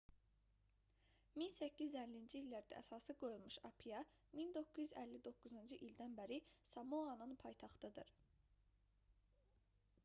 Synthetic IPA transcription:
minsæcʰːiælːind͡ʒiilːæɾd̪æ̰ʔæ̰sɑːsɯɡo̞julˠmuʃɑpʰijɑ | mind̪o̞kːuzyzælːid̪o̞kːuzɯnd͡ʒɯʔild̪ænbæɾisɑmoɑnɯnpʰɑjt̪ʰɑχt̪ɯd̪ɯɾ

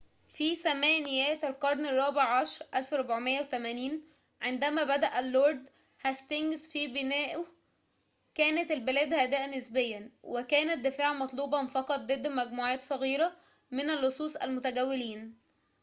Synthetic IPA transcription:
fisæmæːnɪjæːt̪ælqɑɾˤnerˤːɑːbeʕʕɑʃɑɾˤʔælfɾˤobʕmejːæwet̪æmæːniːn | ʕend̪æmæbæd̪æʔælːoːɾˤd̪ | hæst̪eŋɡzfibɪnæːʔʊ | kæːnæt̪ælbelæːd̪hæd̪æːʔnesbejːænwekæːnæt̪̚d̪efaːʕmɑt̪ˤluːbɑnfɑqɑt̪̚ˤd̪ed̪ːmæɡmuːʕæːt̪sˤɑɣiːɾæ | mɪnælːosˤuːsˤæ̰lmʊt̪æɡæwːɪliːn

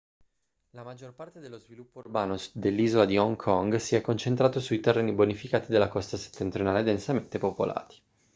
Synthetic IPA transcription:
lamad͡ʒːorpart̪ed̪elːozvilupːourbaːnod̪elːiːzolad̪iɔŋkʰɔŋɡsiɛkːont͡ʃent̪ɾaːt̪osuit̪erːeːnibonifikaːt̪id̪elːakɔst̪ase̥t̪ːent̪ɾjonaːled̪ensament̪epopo̰lʔa̰ːt̪i̥

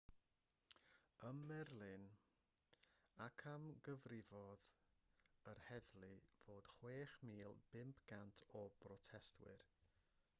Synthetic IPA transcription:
əmːɛrlˠɨn | akʰamɡəvrɪvɔð | ərhɛðlˠɨv̥oːd̥χweːχmiːlˠb̥ɪmpʰɡ̥antʰɔb̥rɔtʰɛstʰwɨ̰r

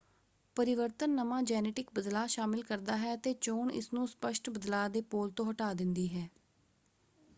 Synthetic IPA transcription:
pəɾɪʋəɾt̪ənːəmãːd͡ʒɛːneːʈɪkbəd̪laːʃaːmɪlkəɾd̪aːɦɛːət̪eːt͡ʃoːɳɪ̰snũːspəʃʈbəd̪laːd̪eːpoːlt̪õːɦəʈaːd̪ɪnd̪iːɦɛː

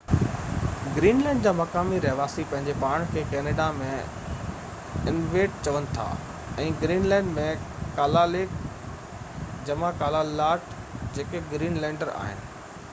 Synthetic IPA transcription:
ɡɾiːnlɛ̃ːɳɖd͡ʑaːmɐkaːmiɾɐɦʋaːsipɐ̃ɦɪ̃ɲd͡ʑepaːɽ̃kʰeːkɛːneːɖamẽ | ɪnʋeːʈ̚t͡ɕɐʋənɪ̆t̪ʰa̰ː | ɛ̃ːɡɾiːnlɛ̃ːɳɖmẽkaːlaleːk | d͡ʑɐmãkaːlalaːʈd͡ʑeːkeɡɾiːnlɛ̃ːɳɖəɾa̰ːɦɪ̰nɪ̆

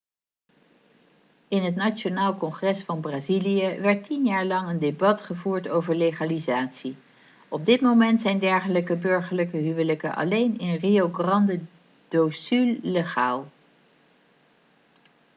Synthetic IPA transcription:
ɪnɦət̬nat͡ʃonaːlˠkɔŋχrɛsfɑnbraːzilijəʋɛɹtinjaːɹlɑŋəndebɑtχəvuːɹtowvəɹleχalizaːtsi | ɔb̚dɪtmomɛntsɛjndɛɹχələkəbɵɹχəɹləkəɦyʋələkəʔɑ̰lejnɪnrioɡrɑndə | d̥osylːəχaːlˠ

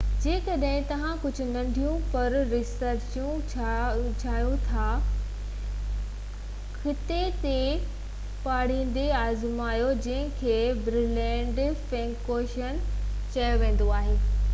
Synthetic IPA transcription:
d͡ʑeːkɐɗɦɪ̃t̪ɐʋ̤ãkʊd͡ʑʱʊ̆nɐ̃ɳɖʱijũpɐɾɾɪsəɾt͡ɕjũ | t͡ɕʰaːjũt̪ʰa | xɪt̪et̪e | paːɽ̤ĩːn̆d̪eaːzmaːijod͡ʑɐ̃ɦɪ̃kʰeːbɾɪlɛ̃ːɳɖfɛ̃ŋkoːʃən | t͡ɕɐjoʋẽːn̆d̪oaːɦeː

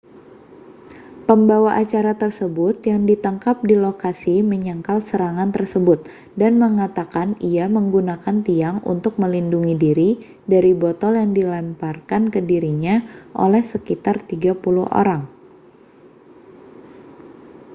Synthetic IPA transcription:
pəmbawaʔat͡ʃaɾat̪ərsəbʊt̪jaŋdit̪aŋkap̚dilokasiməɲəŋkalsəɾaŋant̪ərsəbʊt̪̚ | danməŋat̪akaniaməŋɡunakant̪iaŋṵnt̪ʊk̚məlinduŋidiɾi | daɾibot̪ɔljaŋdilamparkankədiɾiɲaʔo̰lɛhsəkit̪art̪iɡapuluhʔo̰ɾaŋ

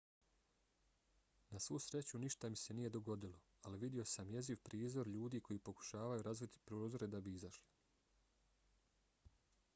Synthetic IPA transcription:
nasʋuːsɾe̞t͡ɕuniʃt̪amise̞nije̞d̪o̞ɡo̞d̪ilo̞ | aliʋid̪io̞samje̞ziʋpɾiːzo̞ɾʎuːd̪iːkʰo̞jiːpo̞ku̥ʃaːʋajuɾazʋit̪i̥pɾoːd̪o̞ɾe̞d̪abiizaʃli

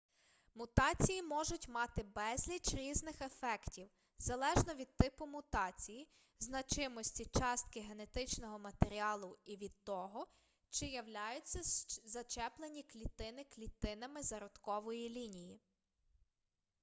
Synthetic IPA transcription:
mʊt̪ɑt͡sʲijimɔʒʊtʲmɑt̪ɪbɛzʲlʲit͡ʃɾʲiznɪxefɛktʲiw | zɐlˠɛʒnɔʋʲid̪̚t̪ɪpʊmʊt̪ɑt͡sʲiji | znɐt͡ʃɪmɔsʲtʲit͡ʃɑst̪kɪɦe̞ne̞t̪ɪt͡ʃnɔɦɔmɐt̪e̞ɾʲiɑlˠʊiʋʲid̪̚t̪ɔɦɔ | t͡ʃɪjɐwlʲajʊt͡sʲːɐzɐt͡ʃɛplˠenʲiklʲit̪ɪnɪklʲit̪ɪnɐmɪzɐɾɔd̪kɔʋɔjilʲinʲiji

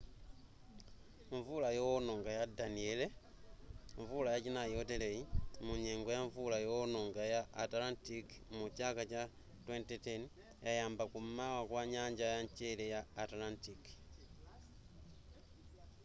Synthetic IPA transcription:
ɱvulajonoŋɡajadaniele | ɱvulajat͡ʃinajotelejimuɲeːŋɡojaɱvulajonoŋɡajaːtalantik | mut͡ʃakat͡ʃa | twentiten | jajaːmbakumawakwaɲaɲd͡ʒajaɲt͡ʃelejaːtlantik

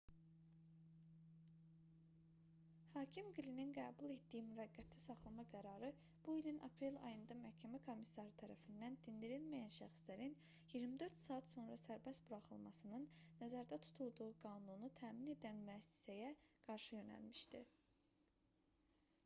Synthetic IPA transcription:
hɑːcʰimɡilininɡæːbulˠe̞t̪d̪ijimyvæɡːæt̪ʰlisɑχlˠɑmɑɡæɾɑɾɯ | b̥uilinʔɑ̰pʰɾe̞lɑ̰jɯnd̪ɑmæhcʰæmækʰo̞misɑɾɯt̪ʰæɾæ̰find̪ænd̪ind̪iɾilmæjænʃæxslæɾin | jiɾmid̪ø̞ɾt̪sɑːɑt̪so̞nɾɑsæɾbæsbuɾɑχɯ̰lˠmɑsɯnɯnːæzæɾd̪æt̪ʰu̥t̪ʰulˠd̪uuɡɑːnunut̪ʰæːmine̞d̪ænmyæsi̥sæjæɡ̥ɑɾʃɯjø̞næ̰lmiʃd̪i

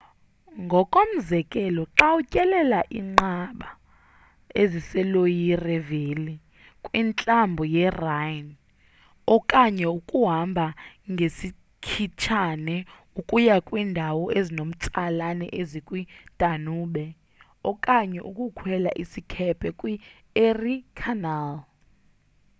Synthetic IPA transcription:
ŋɡʱɔkʼom̩zɛkʼɛlɔǁawucʼɛlɛlaʔiːŋ͡ǃaɓa | ezisɛlojirɛveli | kʼwint͡ɬʼambʱɔjɛrajn | ɔkʼaɲɛukʼuɦambʱaŋɡʱesi | kʰit͡ʃʰanɛ | ukʼujakʼwiːndʱawɔʔezinom̩t͡sʼalanɛ̰ʔezikʼwid̥ʱʼanuːɓɛ | ɔkʼaɲɛʔukʼukʰwɛla̰ʔisikʰɛpʰɛkʼwi | erikʰanal

